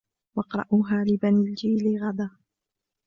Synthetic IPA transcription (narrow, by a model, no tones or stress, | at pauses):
wɑqɾˤɑ̰ʔuɦaːlɪbaniːld͡ʒiːlɪɣad̪aː